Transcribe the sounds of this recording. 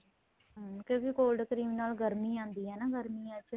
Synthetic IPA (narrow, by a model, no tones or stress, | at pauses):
kjõːkɪkoːlɖkəɾiːmnaːlɡəɾmiːãːnd̪iːɦɛːnaːɡəɾmiːãt͡ʃʰ